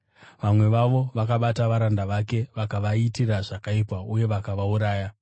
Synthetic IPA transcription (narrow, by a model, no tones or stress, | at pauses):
ʋamwe̞ʋaʋo̞ʋakaɓataʋaɾandaʋake̞ʋakaʋaitiraʐakaipwauje̞ʋakaʋauɾaːja